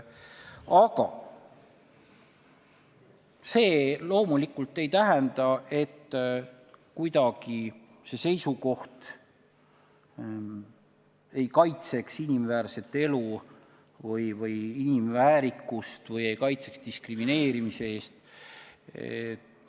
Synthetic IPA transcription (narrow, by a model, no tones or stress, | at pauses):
ɑɡɑ̰ | se̞ːlo̞ːmulikːult̪ˑːe̞jt̪æɦend̪ɑʔe̞t̪ː | kujd̪ɑɡ̥i | se̞se̞jsuko̞ht̪ | e̞jkɑjt̪se̞ksinimvæːɾse̞t̪ːˑe̞lu | vɤjvɤjinimvæːɾikːˑust̪vɤje̞jkɑjt̪se̞̥kst̪iskrimine̞ːɾimise̞eːst̪ | e